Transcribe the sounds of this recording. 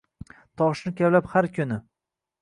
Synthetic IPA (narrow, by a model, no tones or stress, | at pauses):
t̪ʰɒʃnɪkʲʰavlaphaɾkʰʲʊnɪ